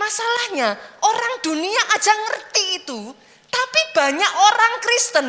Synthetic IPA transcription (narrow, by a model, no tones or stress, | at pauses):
masalahɲaʔoɾaŋd̪̥ṳnijaʔad̥ʒ̥a̤ŋərt̪iːt̪u | t̪apib̥ä̤ɲaʔoɾaŋkɾist̪ən